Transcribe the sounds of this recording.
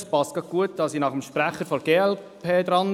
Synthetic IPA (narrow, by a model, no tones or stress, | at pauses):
spɑskɑɡ̥uət̚d̥̪ɑsinɑχəmʃpɾæχəɾfɔɾɡeːɛlpʰeːd̪ɾɑn